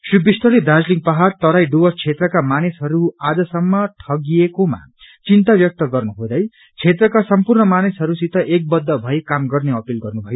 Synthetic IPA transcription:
sribist̪ʌled̪ad͡zliŋpaɦart̪ʌɾajɖuwʌrt͡sʰet̪rʌkamanesɦʌɾuad͡zʌsʌmːʌʈʰʌɡiekoma̰ | t͡sint̪abjʌk̚t̪ʌɡʌrnuɦod̪ʌj | t͡sʰet̪rʌkasʌmpurnʌmanesɦʌɾusit̪ʰʌʔek̚bʌd̪ʱːʌbʱʌekamɡʌrneʌpilɡʌrnubʱʌjo

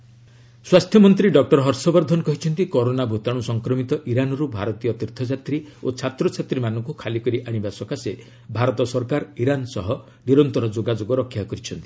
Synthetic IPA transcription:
swast̪ʰjɔmɔnt̪ɾiɖɔk̚ʈɔɾɔɦɔɾsɔbɔɾd̪ʱɔnɔkɔɦit͡ʃʰɔnt̪ikɔɾonabʱut̪aɽ̃usɔŋkɾɔmit̪ɔʔiɾanɔɾubʱaɾɔt̪ijɔt̪iɾt̪ʰɔd͡ʒat̪ɾiot͡ʃʰat̪ɾɔt͡ʃʰat̪ɾimanɔŋkukʰalikɔɾiʔaɽ̃ibasɔkase | bʱaɾɔt̪ɔsɔɾkaɾiɾansɔɦɔ | niɾɔnt̪ɔɾɔd͡ʒoɡad͡ʒoɡɔɾɔkʰːjakɔɾit͡ʃʰɔnt̪i̥

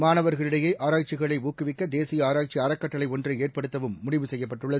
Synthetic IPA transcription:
maːnɐʋɐɾɣɐɭɪɽɐjeʔaːɾaːk̚t͡ʃɪɣɐɭɐɪuːkːɯʋɪkːɐd̪eːsɪjɐaːɾaːk̚t͡ʃiɐɾɐkːɐʈːɐɭɐɪɔndrɐeːrpɐɽɯt̪ːɐʋɯmːʊɽɪʋɯsɛjːɐpːɐʈːɯɭːɐ

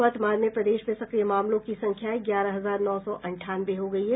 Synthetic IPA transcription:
ət̪maːɾnjəpɾɐd̪eːʃmẽsɐkɾijemaːmlõkisɐ̃ŋkʰjaɡjaːɾaɦɐzaːɾnɔːsɔʔɐ̃ɳʈʰaːnʋeɦoɡɐiɦɛ

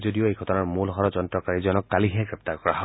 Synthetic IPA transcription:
zodioejɡʱɔtɔnaɹmulɦɔɹɔd͡ʒɔntɹɔkaɹizɔnɔkːaliɦɛɡɹɛp̚taɹkɔɹaɦɔ

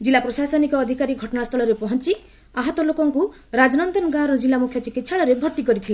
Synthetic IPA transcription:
d͡ʒilːapɾɔsasɔnikɔːd̪ʱikaɾiɡʱɔʈɔnast̪ʰɔɭɔɾepɔɦɔnt͡ʃi | aɦɔt̪ɔlokɔŋku | ɾad͡ʒɔnɔnd̪ɔnɔɡãɾɔd͡ʒilːamukʰjɔt͡ʃikit̪saɭɔɾebʱɔɾt̪ikɔɾit̪ʰile

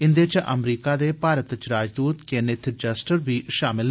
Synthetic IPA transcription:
ɪnd̪eːt͡ʃʔə̰mɾiːkaːd̪eːpaːɾət̪t͡ʃɾaːd͡ʒd̪uːt̪kenet̪ʰd͡ʒəsʈəɾbʱiːʃaːmɪl

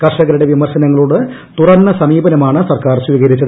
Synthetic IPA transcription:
kɐrʂɐɣɐɾuɽe̞ʋimɐrɕɐnɐŋːɐɭuːɽɨ | t̪urɐnːɐsɐmiːbɐnɐmaːɳɨsɐrkaːrɕʋiːɣɐɾit͡ɕːɐð

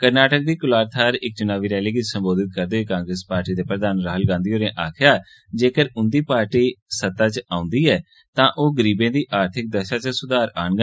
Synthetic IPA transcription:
kəɾnaːʈək̚d̪iːkʊlaːɾt̪ʰaːɾɪk̚t͡ʃʊnaːʋiːɾɛːliːkɪt͡ʃsə̃mboːd̪ɪt̪̚kəɾd̪oːeːkãːŋɡɾespaːɾʈiːd̪eːpɾəd̪aːnɾaːɦəlɡãːnd̪iːɦoːɾẽːʔaːkʰɪjaː | d͡ʒeːkəɾʊnd̪iːpaːɾʈiːsət̪aːt͡ʃãːʊ̃nd̪iːɛː | t̪ãːʔoːɡəɾiːbẽːd̪iːʔaːɾt̪ʰɪk̚d̪əʃaːt͡ʃsʊd̪aːɾaːnɡã

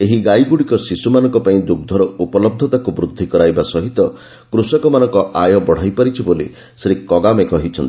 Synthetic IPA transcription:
eɦiɡajɡuɽikɔsisumanɔŋkɔpaĩd̪uɡ̚d̪ʱɔɾɔupɔlɔb̚d̪ʱɔt̪akubɾud̪ʱːikɔɾajbasɔɦit̪ɔ | kɾusɔkɔmanɔŋkɔʔajɔbɔɽ̤ajpaɾit͡ʃʰibolḭ | sɾikɔɡamekɔɦit͡ʃʰɔnt̪i

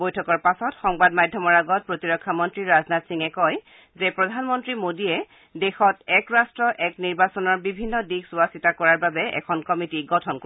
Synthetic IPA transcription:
bojtʰɔkɔɹpasɔtxɔŋbadmadʱɔmɔɹaɡɔt̚pɹotiɹɔkʰːamɔntɹiɹaznatsiŋɛkɔj | zepɹɔdʱanmɔntɹimodiɛ | dexɔtɛkɹastɹɔʔɛkniɹbasɔnɔɹbibʱinːɔdiksuasitakɔɹaɹbabɛʔɛ̰kʰɔnkɔmitiɡɔtʰɔnko

